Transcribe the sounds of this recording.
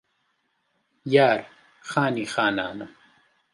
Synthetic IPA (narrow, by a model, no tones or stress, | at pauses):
jaɾ | χaniχana̰na